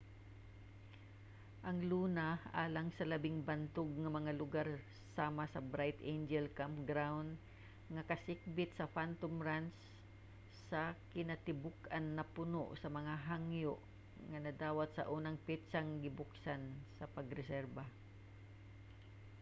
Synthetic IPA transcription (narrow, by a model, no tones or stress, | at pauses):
ʔɐŋluːnaʔaːlaŋsɐlɐbɪŋbɐnt̪oɡ̚ŋɐmɐŋalʊɡaɾ | saːmasɐbɾajt̪ʔend͡ʒɛlkampɡɾawnd̪ | ŋɐkɐsɪk̚bɪt̪̚sɐfant̪omɾansː | ɐkɪnat̪ɪbʊkʔanːɐpʊno̰ʔsɐmɐŋaɦaŋjoʔ | ŋɐnɐd̪aːwat̪sɐ̰ʔuːnɐŋpɛt̪saŋɡɪbʊksansɐpɐɡɾɛsɛɾba